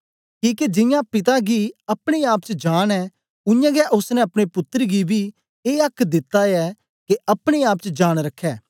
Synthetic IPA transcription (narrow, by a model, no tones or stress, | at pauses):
kiːked͡ʒɪ̃jãpɪt̪aɡiɐpɽ̃eaːp̚t͡ʃd͡ʒaːɽ̃ɛː | ʊjãːɡɛʔʊsnɛ̃ɐpɽ̃epʊt̪ːəɾɡibʱiː | eːɐkʰːd̪ɪt̪ːaɛː | keɐpɽ̃eaːpt͡ʃd͡ʒaːɽ̃ɾɐkʰːɛː